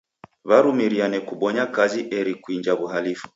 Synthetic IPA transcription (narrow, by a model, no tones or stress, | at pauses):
βaɾumiɾianɛkuɓɔɲakaziʔɛɾikuind͡ʒaβuɦalifu̥